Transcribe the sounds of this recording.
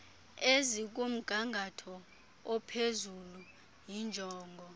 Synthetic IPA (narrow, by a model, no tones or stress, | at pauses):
ezik̬um̩ɡ̥ʱaŋɡʱatʰɔ | ɔpʰezulu | jind͡ʒʱɔːŋɡʱɔ